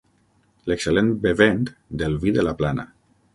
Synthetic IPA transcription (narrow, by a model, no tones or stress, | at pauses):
lekselenbeβent̪d̪elβiðelaplana̰